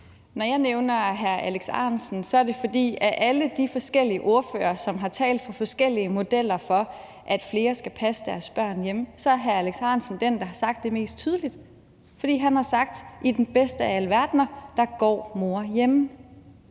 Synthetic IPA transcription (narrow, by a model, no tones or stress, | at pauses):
nɒjɑ̈ɪneʊnɐɦæɐæleɡ̥sɑ̰̈ːnsn̩sɒ̽æɐde̝fɒ̽d̥ḭːæɐʔæləd̥ifɒ̽sɡ̥el̰iəʔo̝ɐfø̰ːɐsɒ̽mɦɑ̈t͡sʰɛ̰ːld̥fɑ̈fɒ̽sɡ̥el̰iəmo̝d̥el̰ɐfɒ̽ | ʔæd̥fle̝ːɐsɡ̥æpʰæsəd̥æɐsb̥ɶɐ̰njemsɒ̽æɐɦæɐæleɡ̥sɑ̈n̩sn̩d̥end̥ɑ̈ɦɑ̈sɑ̈ɡ̥̚d̥ːe̝me̝̰ːsd̥̚t͡sʰyːð̞ˠəlid̥ | fɒd̥ḭːɦænhɑ̈sɑ̈ɡ̥̚d̥id̥enb̥esd̥əælʋæɐd̥nɐd̥ɑ̈ɡ̥ɒ̰ːmo̝ɐjem